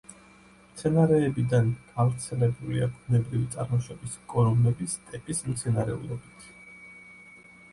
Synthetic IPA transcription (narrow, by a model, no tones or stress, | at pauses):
mt̪sʰɛnaɾɛːbid̪anɡ̥avɾt̪sʰɛlɛbulḭaɡʰunɛbɾivit̪sʼaɾmɔʃɔbiskʼɔɾɔmɛbist̪ʼɛpʼismt̪sʰɛnaɾɛ̰ṵlˠɔbit̪ʰ